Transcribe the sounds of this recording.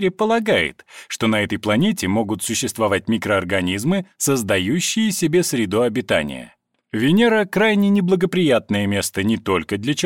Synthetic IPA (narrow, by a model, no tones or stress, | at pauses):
ɾʲɪpəlˠɐɡajɪ̰t̪ʂt̪o̞nɐɛt̪əjplˠɐnʲetʲɪmo̞ɡʊt̪sʊɕːɪst̪vɐvat̚ʲmʲɪkɾəɐrɡɐnʲizmɨsəzd̪ɐjuɕːɪjəsʲɪbʲe̞sɾʲɪd̪oɐbʲɪt̪a̰nʲɪ̰jə̰ | vʲɪnʲeɾəkɾajnʲɪnʲɪblˠəɡəpɾʲɪjat̪̚nəjəmʲe̞st̪ənʲɪt̪o̞lʲkəd̪lʲɐt͡ɕɪ